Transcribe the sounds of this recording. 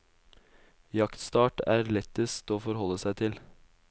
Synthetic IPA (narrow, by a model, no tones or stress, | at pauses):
jɑkt̪st̪ɑːʈæːɾlɛt̪ːɪst̪oːfɔɾhɔlːəsæɪt̪ʰɪl